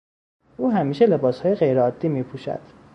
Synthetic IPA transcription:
ʔuːɦæmiːʃe̞le̞bɒːshɒːje̞ɣe̞jɾeɒːd̪ːiːmiːpʰuːʃæ̰d̪̥

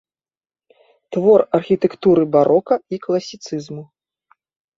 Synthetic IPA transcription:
t̪vɔrɐrxʲit̪ɛkt̪uɾɨbaɾʔɔkɐiklˠɐsʲit̪sɨzmu

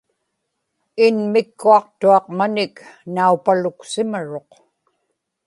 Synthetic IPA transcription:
ɪnmɪkːuɑq̚t̪uɑqmanɪknaupalʊksɪmaɻo̞q

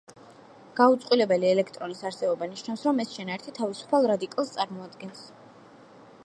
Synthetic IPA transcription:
ɡ̥aut̪sʼqʼwilɛbɛliɛlɛkʰt̪ʼɾɔnisaɾsɛbɔbaniʃnafsɾɔmɛsʃɛnaɛɾt̪ʰit̪ʰavisu̥pʰalˠɾad̪ikʼalˠst̪sʼaɾmɔad̪ɡɛns

